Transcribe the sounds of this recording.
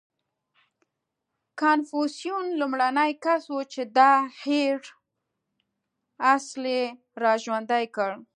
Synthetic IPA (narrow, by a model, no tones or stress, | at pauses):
kanfusijunlumɽanəjkaswut͡ʃed̪ɑheɽ | asle | ɾɑʒwand̪ajkəɽ